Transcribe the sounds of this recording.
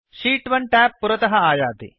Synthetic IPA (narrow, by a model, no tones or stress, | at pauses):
ʃiːʈʋɐɳʈaːpːuɾɐt̪ɐɦɐaːjaːt̪ḭ